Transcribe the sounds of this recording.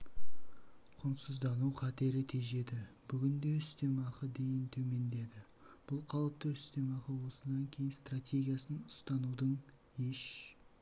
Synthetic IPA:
qʰʊnsəzd̪ɑnuwqʰɑt̪e̞ɾɪt̪ʰe̞ʒe̞d̪ɪb̥ʏɡʲɪnd̪e̞ʏst̪e̞mɑqəd̪e̞jɪnt̪ʰɵme̞nd̪e̞d̪ɪ | b̥ʊlˠqʰɑlˠəp̚t̪əʏ̥st̪e̞mɑqəwo̞sənɑŋkʲʰe̞jɪnst̪rat̪ʲʰe̞ɡʲijasənʊst̪ɑnud̪əɴ | e̞ʃ

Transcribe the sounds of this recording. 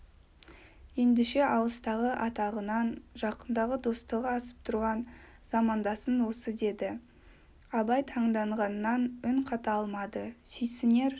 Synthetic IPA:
je̞nd̪ɪʃe̞ʔɑlˠəst̪ɑʁəʔɑt̪ɑʁənɑnʒɑqənd̪ɑʁəd̪o̞st̪əʁɑːsə̥p̚t̪ʰʊɾʁɑn | z̥ɑmɑnd̪ɑsənwo̞səd̪e̞d̪ɪ | ɑbɑjt̪ʰɑɴd̪ɑɴʁɑnːɑnʏŋqʰɑt̪ɑlˠmɑd̪əsʏjsɪne̞ɾ

